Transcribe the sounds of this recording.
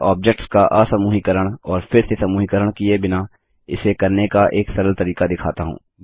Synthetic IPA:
ɔːb̚d͡ʒek̚ʈskaʔaːsɐmuːɦikəɾəɽ̃ɔːɾfʰɪɾsesɐmuːɦikəɾəɽ̃kiebɪna | ɪsekɐɾnekaʔeːksɐɾəlt̪ɐɾiːkad̪ɪkʰa̰ːt̪aɦṵ̃ː

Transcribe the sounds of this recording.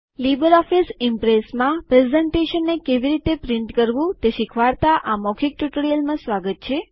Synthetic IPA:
libəɾɔfisɪmpɾesmãpɾezeɳʈeʃənːekeʋiɾit̪epɾɪɳʈkəɾʋũt̪eʃikʰʋaɾt̪aʔamɔkʰik̚ʈuʈɭjəlmãsʋaɡət̪̚t͡ʃʰe

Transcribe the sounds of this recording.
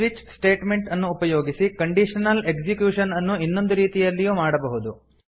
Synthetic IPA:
ʋit͡ʃsʈeːʈme̞ɳʈɐnːuːpɐjoːɡisikɐɳɖiʂɐnɐle̞ɡd͡ʒikjuːʂɐnɐnːuinːo̞nd̪uɾiːt̪ijɐlːijuːmaːɽɐbɐɦud̪u

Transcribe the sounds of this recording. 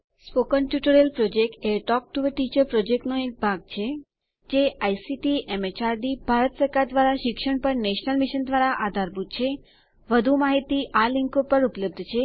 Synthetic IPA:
spokənʈjuʈəɾelpɾod͡ʒek̚ʈeʈɔk̚ʈuʋəʈit͡ʃəɾpɾɔd͡ʒek̚ʈnoek̚bʱaɡ̚t͡ʃʰe | d͡ʒeajsiʈiʔemet͡ʃaɾɖibʱaɾət̪səɾkaɾd̪ʋaɾaʃɪkʃəɳpəɾneʃnəlmiʃənd̪ʋaɾaʔad̪ʱaɾbud̪̚t͡ʃʰe | ʋəd̪ʱumaɦit̪iʔaliŋkopəɾupləb̚d̪ʱt͡ʃʰe

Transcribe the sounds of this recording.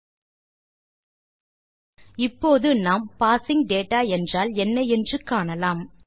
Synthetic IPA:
ɪpːoːðɯnaːmpaːsɪŋɡ̚ɖeːʈaːɛndraːlɛnːɐɛndrɯkaːɳɐlaːm

